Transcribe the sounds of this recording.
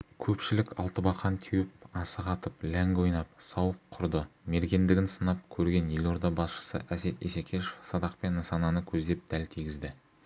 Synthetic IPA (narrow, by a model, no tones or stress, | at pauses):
kʲʰɵpʃɪlɪkʲɑ̰lˠt̪əbɑqɑnt̪ʰijɪp̚ɑsəqɑt̪əplæŋɡojnɑpsɑwəqʰːʊɾd̪əme̞ɾɡʲe̞nd̪ɪɡʲɪnsənɑp̚kʲʰɵɾɡʲe̞nje̞lo̞ɾd̪ɑbɑsʃə̥sə̰ʔæse̞t̪ḭsekʲʰeʃefsɑd̪ɑq̚pe̞nːɑsɑnɑnəkʲʰɵzd̪e̞p̚d̪̥ælt̪ʰijɡʲɪzd̪ɪ